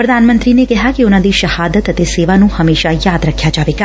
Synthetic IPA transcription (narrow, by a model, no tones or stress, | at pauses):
pɾəd̪ʱaːnmə̃nt̪ɾinekɛɦakeonãd̪iʃəhaːd̪ət̪ːət̪eseːʋanũhəmeːʃajaːd̪ɾəkʰjad͡ʒaːʋeːɡa